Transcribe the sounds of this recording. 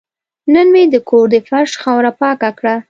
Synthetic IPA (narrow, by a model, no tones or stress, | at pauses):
nənmed̪əkoɾd̪əfaʃxɑwɾapɑkakɽa